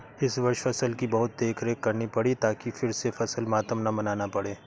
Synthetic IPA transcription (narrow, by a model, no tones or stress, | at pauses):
ɪsʋɐɾʃfɐsəlkibɐɦʊt̪̚d̪eːkʰɾeːkːɐɾnipɐɽit̪aːkifɪɾsefɐsəlmaːt̪əmnɐmɐnaːnapɐɽeː